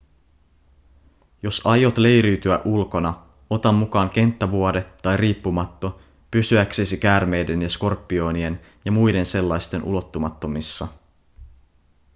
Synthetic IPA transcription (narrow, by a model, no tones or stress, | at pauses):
jo̞sɑjo̞t̪le̞jɾyːt̪yæʔulko̞nɑ | o̞t̪ɑmːukɑːŋk̟e̞nt̪ːæʋuode̞t̪ɑjriːpːumɑt̪ːo̞ | pysyæksesikæːrme̞jde̞njɑsko̞rpːio̞nie̞n | jɑmujde̞nse̞lːɑjst̪e̞nʔṵlo̞t̪ːumɑt̪ːo̞misːɑ